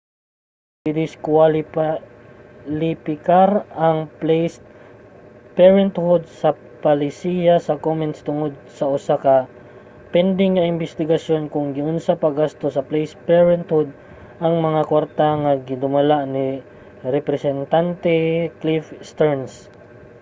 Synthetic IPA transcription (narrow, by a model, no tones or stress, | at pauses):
ɪd̪ɪskwal | lɪpɪkaɾɐŋpls | pɛɹɛnt̪hʊd̪̚sɐ | pɐlɪsijasɐkomɛnt̪st̪ʊŋod̪̚sɐʔʊsakɐ | pɛnd̪ɪŋnɐʔɪnbɛst̪ɪɡɐsjo̞nkʊŋɡɪnʊnsapɐɡast̪osɐplɛjspɛɹɛnt̪hʊd̪̚ | ʔɐŋmɐŋakwaɾt̪aŋɐɡɪd̪ʊmɐlaʔnɪ | ɾɛpɾɛsɛnt̪ant̪ɛklifst̪ɛɹns